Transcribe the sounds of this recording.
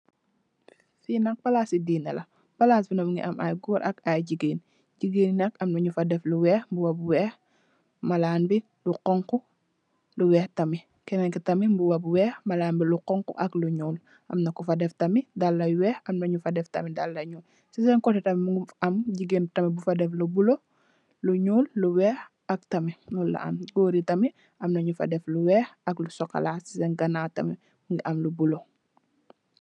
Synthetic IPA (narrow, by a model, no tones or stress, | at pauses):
finɐk̚pɐlasidiːnɐlɐ | pɐlaːsbinɐmuŋɡḭʔɐma̰jɡɔːɾʔɐkajɟiɡeːn | ɟiɡennɐkɐmnɐɲufɐdɛfluwɛːxmbuwɐbwɛːx | mɐlaːnbi | luqɔŋku | luwɛːxtɐmi | kɛnɛŋkitɐmimbuwɐbwɛːxmɐlaːmbiluqɔŋkṵʔɐkluɲɔːl | ʔɐmnɐkufɐdɛftɐmidalːɐjuwɛːxɐmnɐɲufɐdɛftɐmidɐlːɐɲu | sisɛŋkɔtɛtɐmimuŋɡiɐmɟiɡentɐmibufɐdɛflubulo | luɲuːlːuwɛːx | ɐk̚tɐmiwɔlːɐ̰ʔɐ̰mɡoːɾitɐmi | ʔɐmnɐɲufɐ̰dɛfluwɛːxɐklusɔkɐ̰laːsi̥sɛnɡɐnaːtɐ̰mi | muŋɡiʔɐmlubulo